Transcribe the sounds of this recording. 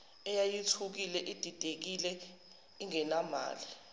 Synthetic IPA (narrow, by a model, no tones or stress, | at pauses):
ɛjajitʰuk̬ilɛʔid̥ʱid̥ʱek̬ilɛ | iŋɛnama̰ːli